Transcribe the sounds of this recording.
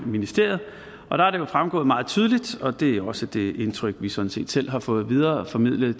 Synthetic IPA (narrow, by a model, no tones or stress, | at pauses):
minisd̥e̝ɐ̰ð̩ˠ | ʔɒ̽ɾ̥ɑ̈æɐɾ̥ejo̝fʁamɡ̥ɔ̰̽ːmɑ̈ːð̞̩ˠt͡sʰyːð̞ˠlid̥ɒ̽d̥e̝æjoɒ̽səd̥e̝e̝nt͡sʰʁœɡ̥ʋisɒ̽d̥n̩se̝̰ːd̥sel̰ɦɑ̈fɔ̽ːð̞̩ˠʋið̞ˠɐːfɒ̽mið̞̰ˠlə